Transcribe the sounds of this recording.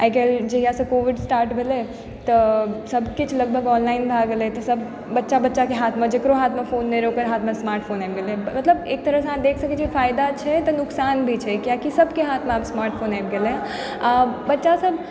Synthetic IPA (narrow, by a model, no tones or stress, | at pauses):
ajkeld͡ʒeɦijasəkoːʋɪɖsʈaːɾʈbʱele | t̪əsɐbkɪt͡ʃʰlɐɡ̚bʱəɡɔːnlaːɪnbʱaːɡelet̪ɔsɐb | bɐtːʃabɐtːʃakeɦaːt̪ʰmãd͡ʒekɾoɦaːt̪ʰmãfoːnːeɾeoːkəɾɦaːt̪ʰmãsmaːɾʈpʰoːnajpɡelemɐt̪ləbeːk̚t̪ɐɾəɦsəãd̪eːkʰsəket͡ʃʰefaːɪd̪at͡ʃʰɛt̪ɔnʊksaːnbʱit͡ʃʰɛkjaːkisɐbkeɦaːt̪ʰmãapsmaːɾʈpʰoːnajbɡelẽ | abɐtːʃasəb